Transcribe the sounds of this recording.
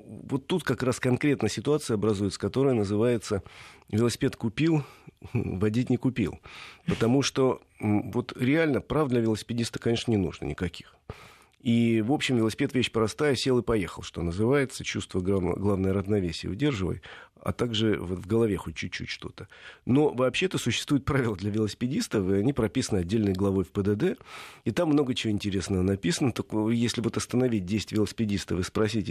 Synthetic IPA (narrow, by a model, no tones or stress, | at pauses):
vo̞t̪ːut̪kɐkɾaskɐnkɾʲe̞t̪nəsʲɪt̪ʊat̪sɨjəɐbɾɐzujɪt̪sə̥kɐt̪o̞ɾəjənəzɨvajɪt̪səvʲɪlˠəsʲɪ̥pʲe̞t̪kʊpʲilˠ | vɐdʲitʲnʲɪkʊpʲḭlˠpət̪ɐmuʂt̪o̞ | vo̞t̪ɾʲɪalʲnəpɾavd̪lʲɐvʲɪlˠəsʲɪ̥pʲɪdʲist̪ə̥kɐnʲe̞ʂnənʲɪnṵʐnə̰nʲɪkɐkʲi̥x | ivo̞pɕːɪmvʲɪlˠəsʲɪ̥pʲet̪vʲeɕpɾɐst̪ajəsʲelˠɨpɐjexəlˠʂt̪o̞̰nəzɨvajɪt̪sət͡ɕust̪vəɡaɡlˠavnəjəɾəznɐvʲesʲɪjə̰ʊdʲe̞rʐɨvə̰jɐ̰t̪aɡʐɨvvɡəlˠɐvʲe̞xot̚ʲt͡ɕːʉt̚ʲt͡ɕːʉ̰tʲʂt̪o̞̰t̪ə̥no̞vɐːpɕːeɛt̪əsʊɕːɪ̥st̪vujɪt̪pɾavʲɪlˠəd̪lʲɐvʲɪlˠəsʲɪ̥pʲɪdʲist̪əfɨɐnʲipɾɐpʲisənɨɐdʲːelʲnəjɡlˠɐvo̞jfpəd̪əd̪ɛit̪amːno̞ɡət͡ɕɪvoɪnʲtʲɪɾʲe̞snəvənɐpʲisənət̪o̞kjesʲlʲɪvot̪ɐst̪ənɐvʲit̚ʲdʲesʲɪtʲvʲɪlˠəsʲɪ̥pʲɪdʲist̪əfɨspɾɐsʲitʲ